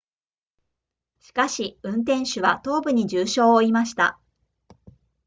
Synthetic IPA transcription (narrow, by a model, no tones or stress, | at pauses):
ɕi̥kaɕiɯ̟̃nt̪ẽ̞ɰ̃ɕɨβat̪o̞ːbɯ̟ɲ̟id͡ʑɨːɕo̞ːoimaɕi̥t̪a̰